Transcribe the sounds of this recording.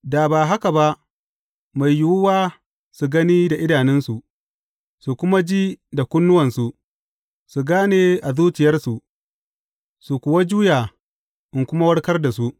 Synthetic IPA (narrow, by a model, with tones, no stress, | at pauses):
daː˨baː˨ɦa˦ka˨ba˦ʔ | ma˨jːʊ˦wʊ˦waː˦ | su˨ɡɐ˦niː˦da˨ʔɪ˦daː˨nɛ˦nsu˨ʔ | su˨kʷʊ˦ma˦d͡ʒiː˦da˨kʷʊ˦nːʊ˦wɐ˨nsu˨ | su˨ɡaː˦neː˨ʔa˨zuː˦t͡ʃɪ˨jɐ˦rsu˨ʔ | su˨kʷʊ˨wa˦d͡ʒuː˦jaː˨ | ʔɪ˨ŋkʷʊ˦ma˦wɐ˦rkɐ˦rda˨su˦ʔ